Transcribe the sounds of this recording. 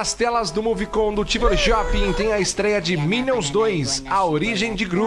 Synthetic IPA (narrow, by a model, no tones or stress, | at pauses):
ɐst̪ɛlɐzd̪ʊmuvikõd̪ʊt͡ʃiveɾʒɔpĩŋt̪ẽj̃ɐɪst̪ɾɛjɐd͡ʒɪminõwzd̪ojsɐoɾiʒẽj̃d͡ʒɪɡɾu